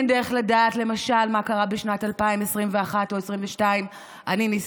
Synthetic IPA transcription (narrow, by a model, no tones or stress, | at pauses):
ndeʁeχladaːtle̞maʃalmakaʁabeʃnatalpaimesʁimveaχato̞esʁimveʃtaim | ʔaninis